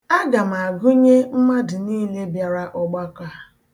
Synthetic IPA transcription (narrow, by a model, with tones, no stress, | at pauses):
a˦ɡa˨m˨a˨ɡʊ˦ɲe˦m̩˦ma˦dɪ˨niː˦le˦bja˨ɾa˦ʔɔ˨ɡ͡ba˦ka˨